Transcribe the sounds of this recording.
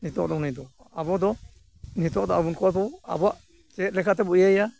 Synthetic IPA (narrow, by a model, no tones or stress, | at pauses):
nit̪ɔ̰ʔd̪ɔnid̪ɔ | abɔd̪ɔ | nit̪ɔʔd̪ɔabunkɔab̪ɔa̰bɔaʔ | t͡ʃɛːt̪̚lɛkʰat̪ɛbuʔjaja